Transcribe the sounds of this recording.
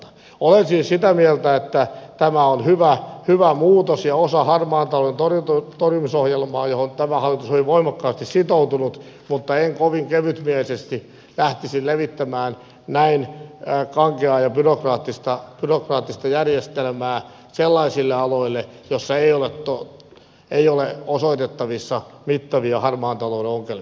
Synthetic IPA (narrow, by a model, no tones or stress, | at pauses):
olensiːnsit̪æmielt̪æet̪ːæt̪æmæonhyʋæhyʋæmuːt̪osjɑosɑhɑrmɑːnt̪ɑloent̪orjut̪t̪orjumisohjelmɑːjohont̪æmæhɑlːˑit̪usoliʋoimɑkːɑːst̪issit̪out̪unut̪ | mut̪ːɑeŋkoʋiŋkeʋyt̪mielisest̪i | læht̪isilleʋit̪ːæmæːn | næinkɑŋkeɑːjɑpyrokrɑːt̪ːist̪ɑpyrokrɑːt̪ːist̪ɑjærjest̪elmæː | selːɑisilːeɑloilːejosːɑeioleto | eioleosoit̪et̪ːɑʋisːɑmit̪ːɑʋiɑhɑrmɑːnt̪ɑloudeoŋkel